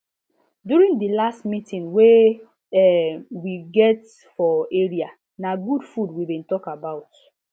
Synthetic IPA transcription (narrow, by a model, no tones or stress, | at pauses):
duɾĩŋdilastmitĩŋwe | wiɡɛt | fɔeɹia | naɡudfudwibĩntɔkabaʊt